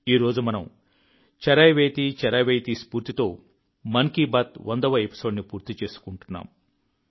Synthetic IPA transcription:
iːɾo̞ːd͡ʒumɐnɐm | t͡ʃɐɾɐjʋeːt̪it͡ʃɐɾɐjʋeːjt̪iːspuːɾt̪it̪o̞ː | mɐnkibɐt̪ʋɐnd̪ɐʋɐepi̥so̞ːɖnipuːɾt̪it͡ʃe̞ːsu̥kuɳʈunːa̰ːm

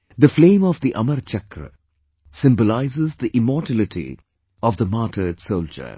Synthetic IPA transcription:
d̪əflẽːmɔʋd̪iʔʌməɾt͡ʃɐkɾə̰ | sɪ̃mbolaɪzɪzd̪iʔɪmɔːʈælɪʈʰḭ | ɔʋd̪əmaːʈʰəɖsoʊld͡ʒə̰ɾ

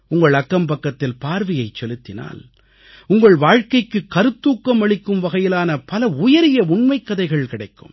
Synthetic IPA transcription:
ʊŋɡɐɭɐkːɐmpɐkːɐt̪ːɪlpaːɾʋɪjɐɪt͡ʃːɛlɯt̪ːɪna̰ːl | ʊŋɡɐɭʋaːɻkɐɪkːɯkːɐɾɯt̪ːuːkːɐmɐɭɪkːɯmʋɐɣɐjɪlaːnɐpɐlɐʊjɐɾɪjɐʊɳmɐɪkːɐðɐɪɣɐɭkɪɽɐɪkːɯ̰m

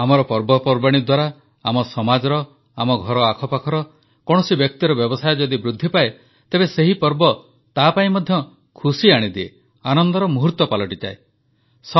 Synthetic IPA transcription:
amɔɾɔpɔɾbɔpɔɾbaɽ̃id̪waɾa | amɔsɔmad͡ʒɔɾɔ | amɔɡʱɔɾɔakʰɔpakʰɔɾɔ | kɔɽ̃ɔsibjɔk̚t̪iɾɔbjɔbɔsajɔd͡ʒɔd̪ibɾud̪ʱːipae | t̪ebeseɦipɔɾbɔ | t̪apaĩmɔd̪ʱjɔ | kʰusiaɽ̃id̪iḛ | anɔnd̪ɔɾɔmuɦut̪ɔpalɔʈid͡ʒa̰e | sɔ

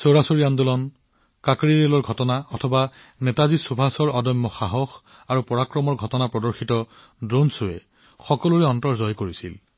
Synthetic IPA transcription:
soɹasoɹijandulɔn | kakɹidelɔɹɡʱɔtɔnaɔtʰɔba | nɛtazisubʱasɔɹɔdɔjmːɔxaɦɔx | aɹupɔɹakɹɔmɔɹɡʱɔtɔnapɹɔdɔɹxitɔ | dɹonsʊɛ̰ | xɔkɔluɹɛɔntɔɹzɔjkoɹisḭl

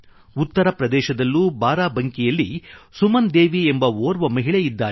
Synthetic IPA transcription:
ut̪ːɐɾɐpɾɐd̪ɛːʃɐd̪ɐlːuːbaːɾaːbɐŋkijɐlːisumɐnd̪eːʋiembɐoːɾʋɐmɐɦiɭɛjid̪ːaː

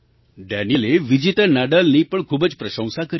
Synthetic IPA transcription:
ɖanileʋid͡ʑit̪ənaɖəlnipəɳkʰuːbəd͡ʑpɾəʃə̃w̃sakəɾ

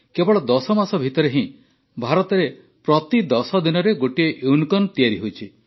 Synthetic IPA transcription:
kebɔɽɭɔd̪ɔsɔmasɔbʱit̪ɔɾeɦĩ | bʱaɾɔt̪ɔɾe | pɾɔt̪id̪ɔsɔd̪inɔɾeɡoʈieʔeunkɔnt̪ijaɾiɦojt͡ʃʰi

